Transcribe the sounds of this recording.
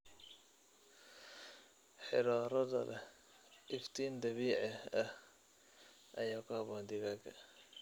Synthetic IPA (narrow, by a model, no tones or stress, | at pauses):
ħɪɾɔːɾɐðɐ̰lɛ̰ | ʔɪft̪ʰiːnd̪ɐβiːʕɛɐh | ʔɐ̰jaːkʰʊhɑβɔːnd̪ɪɣakʰɐ̰